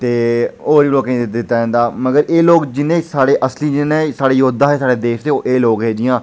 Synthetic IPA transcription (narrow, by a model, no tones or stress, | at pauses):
t̪eːoːɾiːloːkẽːd̪ɪt̪ːaːd͡ʒə̃ːnd̪aːməɡəɾeːloːkd͡ʒɪnẽːsaːɽeːʔəsliːd͡ʒɪnẽːsaːɽeːjoːd̪aːɦeːsaːɽeːd̪eːʃt̪eːoːʔeːloːkɦeːd͡ʒɪjãː